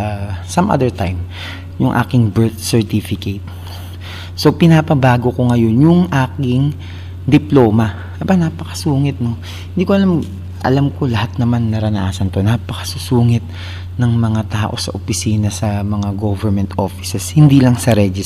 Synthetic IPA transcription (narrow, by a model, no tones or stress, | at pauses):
sɐmʔa̰d̪ɛɹt̪ajm | jʊŋʔa̰ːkɪŋbɛɹt̪̚sɛɹt̪ifɪket̪̚ | so̞pɪnapɐbaːɡo̞ko̞ŋɐjo̞njʊŋʔaːkɪŋ | d̪ɪplo̞ːmɐ | ʔɐbanaːpɐkɐ̥suːŋɪt̪̚no̞ | hɪnd̪iːkoʔɐlam | ʔɐ̰lamko̞lɐhat̪̚nɐmanːɐɾɐnɐʔaːsɐnt̪o̞naːpɐkɐ̥susuːŋɪt̪̚ | nɐŋmɐŋat̪aːʔo̞sɐ̰ʔopɪsiːnɐsɐmɐŋaɡovɛɹmɛnt̪ʔo̞fɪ̥sɛshɪnd̪iːlɐŋsɐɾɛd͡ʒɪ